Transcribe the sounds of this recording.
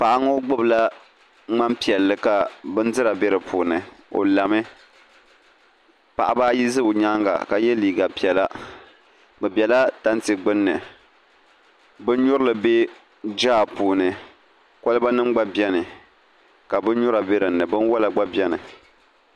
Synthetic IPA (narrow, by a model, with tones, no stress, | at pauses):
pa˨ʔa˨ŋo˦ɡ͡bɨ˦bla˦ | ŋ͡ma˦mpi˨ɛ˨lːɨ˦ka˨bɨ˦n˦dɨ˦ɾa˨bɛ˦ɾɨ˨pʰuː˨nɨ˨o̰˨la˨mɨ˦ | pa̰˨ʔa˨baː˦ji˦zɨ˦bɲa˦ŋɡa̰˨ka˨jɛ˦liː˨ɡa˨pi˨ɛ˨la˦ | bɨ˨bɛ˨la˦ta˦ntɨ˨ɡ͡bɨ˦nːɨ˨ | bɨ˦n˦ɲʊ˦ɾɨ˦lɨ˨be˦ | d͡ʒaː˦˨puː˨nɨ˨ | ko˦lɨ˦ba˦nɨ˦mɡ͡ba˦bjɛ˦nɨ˨ | ka˨bɨ˦n˦ɲʊ˦ɾa˨be˦ɾɨ˨nːɨ˨bɨ˦n˦wa˦la˨ɡ͡ba˦bɛ˦nɨ˨